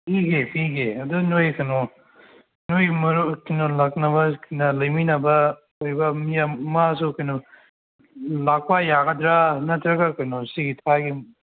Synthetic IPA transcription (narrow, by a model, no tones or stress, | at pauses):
piɡepʰiɡeɐdunojkɐno | nojmɐɾukinolɐk̚nɐβɐkinɐlɐjminɐbɐ | ojbɐmijamas̬ukɐjno | lak̚pajaɡɐdɾanɐtɾɐɡakɐjnosiɡitʰaɡi